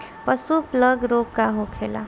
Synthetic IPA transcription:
pəsupləɡɾokːaɦokʰela̰

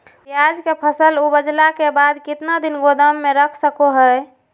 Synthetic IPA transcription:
jad͡ʒkepʰəsəlubəd͡ʒlakebad̪kɪt̪nad̪inɡod̪əmːeɾəkʰsəkoɦə

